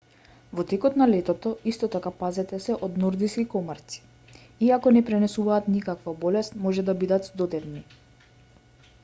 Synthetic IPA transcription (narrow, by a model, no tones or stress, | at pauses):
vɔt̪ɛkɔt̪nalɛt̪ɔt̪ɔist̪ɔt̪akapazɛt̪ɛsɛʔɔd̪nɔɾd̪iskikɔmaɾt̪si̥ | iakɔnɛpɾɛnɛsuvaːt̪nikakvabɔlɛst̪mɔʒɛd̪abid̪at̪zd̪ɔd̪ɛɾni